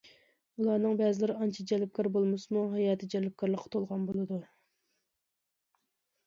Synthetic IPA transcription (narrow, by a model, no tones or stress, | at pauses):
ulˠɑːnɨŋbɛzɪlɪɾɪɑnt͡ʃʰid͡ʒɛlɪp̚kʲʰɑɾbolˠmɨsɨmuɦɑjɑːt̪ʰɪd͡ʒɛlɪp̚kʲʰɑɾlˠəqʰːɑt̪ʰolˠʁɑnbolˠɨd̪u